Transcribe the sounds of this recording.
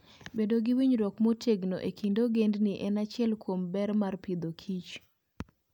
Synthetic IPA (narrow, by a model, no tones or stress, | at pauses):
bedoɡɪwiɲɾɔkmotʰeɡnoʔekʰindoɡendnɪʔɛnat͡ʃɪɛlkwombɛɾmarpid̪okʰit͡ʃ